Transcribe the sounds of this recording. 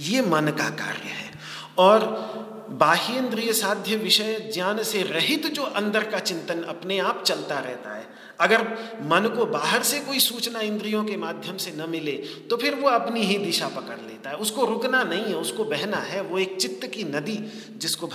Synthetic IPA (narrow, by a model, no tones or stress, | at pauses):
jeːmɐnka̰ka̰ːɾjəɦɛ̰ː | ɔːɾ | baːɦiɪ̃nd̪ɾijsaːd̪ʱjəʋɪʃəjd͡ʒaːnseɾɐɦɪt̪d͡ʒoːʔɐ̃nd̪əɾkat͡ʃɪ̃nt̪ənɐ̰pneaːpt͡ʃɐlt̪aɾɛ̰ɦt̪a̰ɦɛ̰ː | ɐɡəɾmɐnkobaːɦəɾsekoːisuːt͡ʃnaɪ̃nd̪ɾijõkemaːd̪ʱjəmsenɐmɪlet̪opʰɪɾʋoɐpniɦid̪ɪʃapɐkəɽleːt̪aɦɛʊskoɾʊknanɐɦĩɦɛʊskobɛɦnaɦɛʋoeːk̚t͡ʃɪt̪ːəkinɐd̪i | d͡ʒɪskobʱ